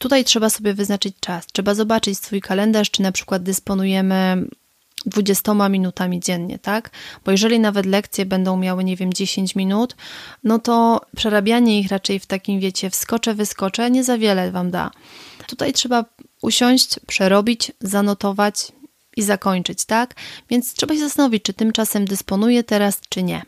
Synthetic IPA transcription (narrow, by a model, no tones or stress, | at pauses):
t̪ut̪ajtʂɛbasɔbʲjɛvɘznat͡ʂɘt͡ɕt͡ʂastʂɛbazɔbat͡ʂɘt͡ɕsfujkalɛnd̪aʂt͡ʂɘnapʂɘ̥kwad̪̚d̪ɛspɔnujɛmɘ | d̪vud͡ʑɛst̪ɔmamʲinut̪amʲid͡ʑɛnɲɛ̰t̪akb̥ɔjɛʐɛlʲinavɛt̪̬lɛk̚t̪sʲjɛbɛnd̪ɔ̃w̃mʲjawɘɲɛvʲjɛmd͡ʑeɕeɲt͡ɕmʲinut̪nɔt̪ɔpʂɛɾabʲjaɲɛixɾat͡ʂɛjft̪akʲimvʲjɛt͡ɕɛfskɔt͡ʂɛvɘskɔt͡ʂɛɲɛzavʲjɛlɛvamd̪a̰ | t̪ut̪ajtʂɛbaʔuɕɔɲ̃ɕt͡ɕpʂɛɾɔbʲit͡ɕzanɔt̪ɔvat͡ɕ | izakɔɲt͡ʂɘt͡ɕt̪akvʲjɛnt̪st̪ʂɛbaɕɛzast̪anɔvʲit͡ɕ̚t͡ʂɘt̪ɘmt͡ʂasɛmd̪ɛspɔnujɛt̪ɛɾast͡ʂɘɲɛ̰